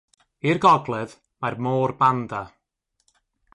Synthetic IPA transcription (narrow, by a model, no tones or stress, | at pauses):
irɡɔɡlˠɛð | marmoːrbanda